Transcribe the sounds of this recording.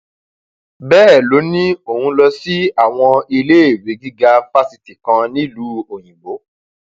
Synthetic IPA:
bɛː˦ɛ˦˨lo˨˦nĩ˦o˦˨hũ˧lɔ˧si˦a˦˨w̃ɔ̃˧i˧le˦e˦˨we˨˦ɡi˦ɡa˧fa˦si˨ti˨kã˧nĩ˦˨lu˦o˨j̃ĩ˨ɡ͡bo˨˦

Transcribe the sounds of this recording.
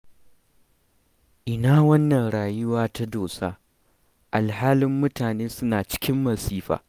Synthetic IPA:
ʔɪ˨naː˦wɐ˦nːɐ˨nɽaː˨jʊ˦waː˦ta˦doː˨saː˦ | ʔa˨lhaː˦lɪ˦mːʊ˦taː˨neː˦sʊ˦naː˨t͡ʃɪ̥˦kʲɪ˦mːɐ˨siː˦ɸa̰ː˨

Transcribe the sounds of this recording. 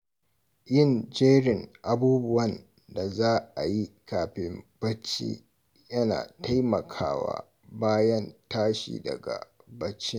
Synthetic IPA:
jɪ˦˨nd͡ʒeː˦ɽɪ˨ŋʔa˨buː˦bʊ˦wɐ˦˨n | da˨zaː˦ʔa˨ji˦kaː˨ɸɪ˦mb̥ɐ˦t͡ʃːḭː˦ | jɐ˦na̰ː˨ta˦jmɐ˨kʰa̰ː˦wa̰ː˦ | baː˦jɐ˦ntaː˦ʃḭː˨dɐ̰˨ɡa̰˨ | bɐ˦t͡ʃːɪ˦ŋ

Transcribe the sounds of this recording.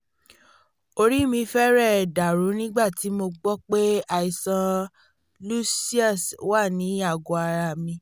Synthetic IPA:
o˧ɾi˦mĩ˧fɛ˦ɾɛ˦˨da˨ɾu˨˦nĩ˦ɡ͡ba˦˨ti˨˦mo˧ɡ͡bɔ˦k͡pe˦a˨i˨sã˧ | lu˦si˦a˦˨swa˦˨nĩ˨˦a˦˨ɡo˨a˧ɾa˨mĩ˧

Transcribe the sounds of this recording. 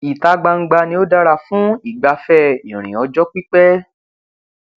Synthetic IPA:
i˨ta˧ɡ͡ba˧ŋ̩˦ɡ͡ba˧nĩ˧˦o˦da˦˧ɾa˧˨fũ˨˦i˦˨ɡ͡ba˧fɛ˦ḭ̃˨ɾ̃ḭ̃˨ɔ˨˧d͡ʒɔ˦k͡pi˦k͡pɛ˦

